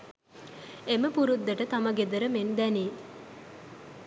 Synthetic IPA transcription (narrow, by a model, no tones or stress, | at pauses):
eməpuɾud̪ːəʈət̪aməɡed̪əɾəmend̪ɛni